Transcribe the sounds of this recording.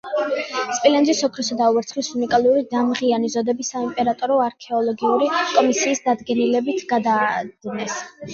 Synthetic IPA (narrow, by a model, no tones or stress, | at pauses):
spʼilɛnd̪zisɔkʰɾɔsad̪auɛɾt̪sʰχlisunikʼalˠuɾid̪amʁianizɔd̪ɛbisaimpʼɛɾat̪ʼɔɾɔaɾkʰɛɔlˠɔɡiuɾikʼɔmisiːsd̪ad̪ɡɛnilɛbit̪ʰɡ̥ad̪aːd̥̪inɛs